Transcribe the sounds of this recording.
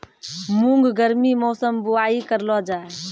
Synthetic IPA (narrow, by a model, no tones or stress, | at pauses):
mũŋɡɡəɾmimɔːsəmbuaːikəɾlɔd͡ʒaːe